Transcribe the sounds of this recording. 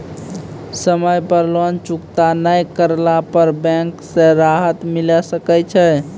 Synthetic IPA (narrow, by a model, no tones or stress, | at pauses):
səməjpəɾlənt͡ʃukt̪anəjkəɾlapəɾbɛ̃ksẽɾaɦət̪milɛsəkɛt͡ʃʰɛ